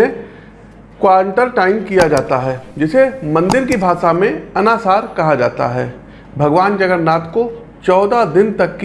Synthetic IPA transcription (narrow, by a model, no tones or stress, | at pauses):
ẽ | kwaːɾə̃ɳʈəɾʈaːɪmkijad͡ʒaːt̪aɦɛːd͡ʒɪsemɐ̃nd̪ɪɾkibʱaːʃamẽɐnaːsaːɾkɐɦad͡ʒaːt̪a̰ɦɛː | bʱɐɡʋaːnd͡ʒɐɡəɾnaːt̪ko | t͡ʃɔːd̪ad̪ɪnt̪ɐkː